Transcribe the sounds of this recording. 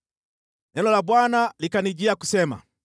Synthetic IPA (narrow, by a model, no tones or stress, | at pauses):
nɛlɔlabwanalikaniɟiaku̥sɛma̰